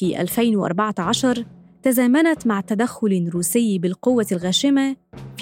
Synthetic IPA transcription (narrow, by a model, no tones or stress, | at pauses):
fiːʔa̰lfajnwʔɑ̰ɾˤbɑʕaʕɑʃɑɾˤ | t̪azaːmanat̪maʕt̪ad̪axːʊlɾuːsɪjːbɪlqʊwːalɣæːʃɪmaf